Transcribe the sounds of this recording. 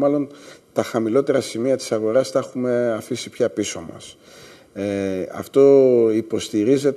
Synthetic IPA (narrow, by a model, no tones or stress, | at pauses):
mɐlo̞nt̪ɐxɐmilo̞t̪e̞ɾɐsimiɐt̪i̥sɐɣo̞ɾɐsθɐexume̞ɐfisipçɐpiso̞mɐ̰s | eɐ̰ft̪o̞ipo̞st̪iɾize̞t̪